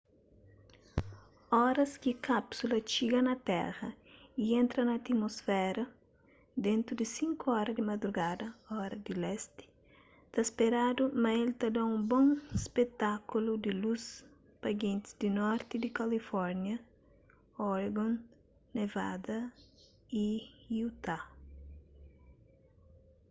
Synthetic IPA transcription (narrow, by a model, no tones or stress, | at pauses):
ɔɾɐskikapsulɐt͡ʃiɡɐnɐt̪ɛ̰ɣɐ | iẽnt̪ɾɐnɐt̪imosfɛɾɐ | d̪ẽnt̪ɾud̪isĩŋkoɔɾɐd̪ɪmɐd̪ɾuɡad̪ɐɔɾɐd̪ɪlɛst̪ɪ̥ | t̪aspeɾad̪umɐelt̪ɐd̪ãũbõŋspet̪akulud̪ɪlus | pɐɡẽnt̪ɪ̥zd̪inɔɾt̪ɪd̪ikɐlifɔɾnjɐ | ɔɾɡõnː | eva̰d̪ɐ | iiut̪a